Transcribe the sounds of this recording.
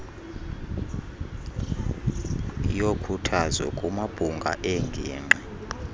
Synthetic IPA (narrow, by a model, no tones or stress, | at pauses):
jokʰutʰazɛ̰kʼumab̥ʱuŋɡʱa̰ʔɛŋɡʱiːŋ͡ǃɛ